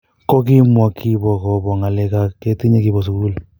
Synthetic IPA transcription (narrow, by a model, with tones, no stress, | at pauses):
kɔ˦k̬i˦mwɔ˨kʰi˦bɔ˨kɔ˨bɔ˨ŋa˨lɛ˨ka˨ke˦ti˦ɲe˦ki˨bɔ˨s̬u˨ku˦u˦l